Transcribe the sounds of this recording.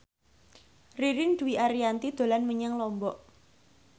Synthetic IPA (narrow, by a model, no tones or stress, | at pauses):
riɾɪnɖ̥̪uwiʔaɾiant̪id̪̥o̤lanməɲaŋlɔmbɔʔ